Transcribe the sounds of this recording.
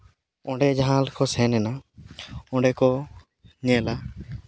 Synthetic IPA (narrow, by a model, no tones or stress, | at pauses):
ɔ̃ɖɛd͡ʒaɦãlkɔsɛ̃nɛna | ɔ̃ɳɖɛkɔ | ɲɛ̃la